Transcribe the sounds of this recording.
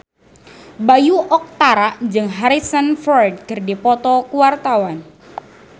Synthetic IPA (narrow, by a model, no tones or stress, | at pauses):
bajuʔɔk̚t̪aɾaʔnd͡ʒɨŋɦaɾisənfɔrd̚kɨrdipɔt̪ɔkuwart̪awan